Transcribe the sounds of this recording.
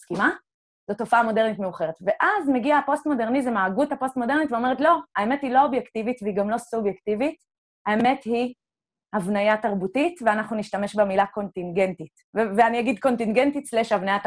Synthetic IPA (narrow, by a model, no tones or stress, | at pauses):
skima | zoto̞faamo̞deʁnitmeuχe̞ʁetveʔazmeɡiapo̞stmo̞deʁnizemaːɡuthapo̞stmo̞de̞ʁnitveome̞ʁetlo̞ae̞me̞thilo̞objektivitveiɡamlo̞subjektivit | aeme̞thi | havnajataʁbutitveanaχnuniʃtame̞ʃbemilako̞ntiŋɡe̞ntit | veveaniaɡidko̞ntiŋɡe̞ntit͡sleʃavnaja